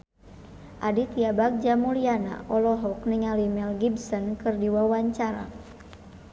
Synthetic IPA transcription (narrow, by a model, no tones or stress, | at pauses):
ʔadit̪iabak̚d͡ʒamuliana̰ʔɔlɔɦɔkniŋalimɛlɡibsɔnkɨrdiwawaɲt͡ʃaɾa̰